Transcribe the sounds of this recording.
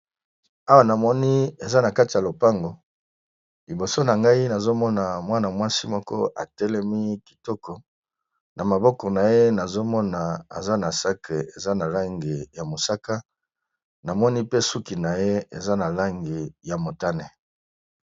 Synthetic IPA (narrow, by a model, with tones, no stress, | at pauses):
a˦wa˦˨na˨mɔ˦ni˦e˨za˦na˨ka˦ti˨ja˨lo˨pa˦ŋɡo˨ | li˨bo˨so˦na˨ŋɡa˦i˦na˨zo˦mɔ˦na˨mwa˦na˨mwa˦si˦mɔ˦kɔ̰˦ʔa̰˨tɛ˦lɛ˦mi˦ki̥˨tɔ˦kɔ˨ | na˨ma˨bɔ˦kɔ˨na˨je˦na˨zo˦mɔ˦na˨a̰˨za˦na˨sa˦ke˨e˨za˦na˨la˦ŋɡe˨ja˨mo˨sa˦ka˦ | na˨mɔ˦ni˦pe˦su˦ki˨na˨je˦e˨za˦na˨la˦ŋɡe˨ja˨mo˨ta˦ne˦